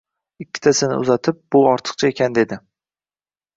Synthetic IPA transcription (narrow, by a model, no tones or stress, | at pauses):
ɪkʲːɪ̥t̪ʰasɪnɪ̰ʊ̰zat̪ʰɪp̚bʊɒɾt̪ʰɨ̥q̚t͡ʃʰaekʲʰand̪e̞d̪ɪ